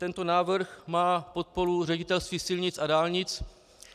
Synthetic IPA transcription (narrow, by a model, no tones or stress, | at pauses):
t̪ɛnt̪o̞naːvrrxmaːpot̪̚po̞ɾurɛɟɪt̪ɛlst̪viːsɪlɲɪt͡sʔadaːlɲɪt͡s